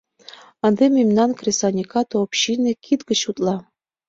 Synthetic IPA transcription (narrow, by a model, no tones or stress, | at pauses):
ɑnd̪emʲimnɑnkrʲesɑnʲikɑt̪oopɕinʲĕkʰit̪ɡə̆t͡ɕut̪lˠɑ